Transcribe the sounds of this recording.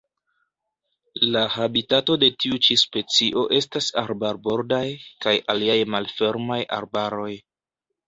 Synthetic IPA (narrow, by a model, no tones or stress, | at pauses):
lahabitato̞de̞tiut͡ʃispe̞t͡siʔo̞ʔe̞stasaɾbaɾbo̞ɾdajkajaliajmalfe̞ɾmaja̰ɾbaɾo̞j